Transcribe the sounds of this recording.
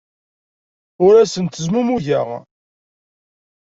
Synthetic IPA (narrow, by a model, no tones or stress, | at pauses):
ʊɾæsənt̪əzmumuʝəʁ